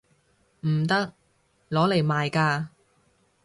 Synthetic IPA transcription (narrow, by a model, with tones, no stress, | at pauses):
m̩˨˩t̪ɐ˥k̚ | lɔː˨˥le˨˩jmaː˨jkaː˧